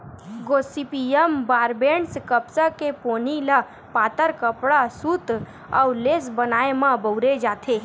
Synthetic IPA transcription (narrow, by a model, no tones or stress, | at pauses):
ɡosipijəmbaɾbeɳskəpsakeponila | pat̪əɾkəpɽasuːt̪ | a̰wlesbənaːemãbəwɾed͡ʒaːt̪ʰe